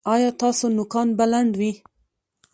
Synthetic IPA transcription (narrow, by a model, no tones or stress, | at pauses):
ɑjɑt̪ɑsonʊkɑnbalaɳɖwi